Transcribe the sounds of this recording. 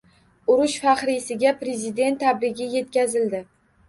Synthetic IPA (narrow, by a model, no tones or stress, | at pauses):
ʊɾʊʃfaχɾɪsɪɡʲapɾe̞zɪd̪e̞nt̪ʰːabɾɪɡʲɪje̞t̪kʲazɪld̪ɪ